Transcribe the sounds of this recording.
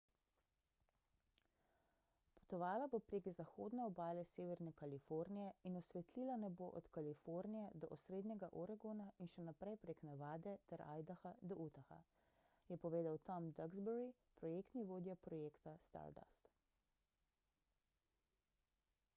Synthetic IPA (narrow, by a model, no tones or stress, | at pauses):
pɔ̥t̪ɔʋaːlabopɾeːɡzaxoːd̪nɛɔbaːlɛseːʋɛɾnɛkalifoɾnijɛinɔsʋɛt̪liːlanɛboːʔɔ̰t̪kalifoɾnijɛd̪ɔʔɔsɾeːd̪nɛɡaʔɔɾaɡonainʃɛnapɾɛjpɾeknaʋaːd̪ɛt̪ɛɾʔa̰ːjd̪axad̪ɔʔut̪axa̰ | jɛpɔʋeːd̪awt̪ɔmd̪aɡzbɛɾi | pɾɔjeːkt̪niʋoːd̪japɾɔjeːkt̪ast̪a̰ɾd̪a̰st̪